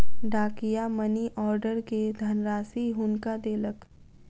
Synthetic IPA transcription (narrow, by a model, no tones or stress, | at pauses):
ɖaːkijaməniʔɔːɾɖəɾked̪ʱɐnɾaːsiɦʊnkad̪eːlək